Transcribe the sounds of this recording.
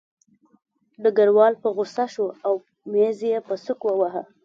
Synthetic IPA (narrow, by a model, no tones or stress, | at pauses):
d̪əɡaɽwɑlpəɣʊsaʃoaw | mezjepəsʊkwəwaɦə